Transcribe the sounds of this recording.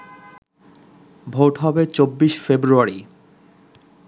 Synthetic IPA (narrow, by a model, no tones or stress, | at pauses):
bʱoʈɦɔbet͡ɕobːiʃfebɾuaɾi